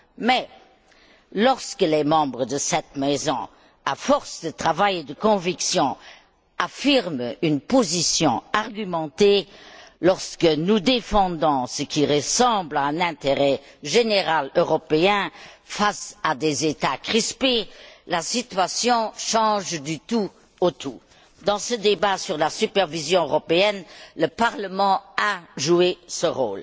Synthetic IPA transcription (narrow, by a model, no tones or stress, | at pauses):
mɛ | lɔʁskəlɛmɑ̃bʁəd̪əsɛt̪mɛzɔ̃ | afɔʁsd̪ət̪χavajed̪əkɔ̃viksjɔ̃ | afiʁmynpozisjɔ̃aʁɡymɑ̃t̪elɔʁskənud̪efɑ̃d̪ɔ̃səkʰiʁəsɑ̃ːblaɛ̃nɛ̃t̪eʁɛ | ʒeneʁaløʁɔpeɛ̃ | fasad̪ezet̪akχispelasit̪ɥasjɔ̃ʃɑ̃ʒd̪yt̪u | ot̪ʰu | d̪ɑ̃səd̪ebasyʁlasypɛʁvizjɔ̃øʁɔpeɛnləpaʁləmɑ̃aʒuesəʁo̰ːl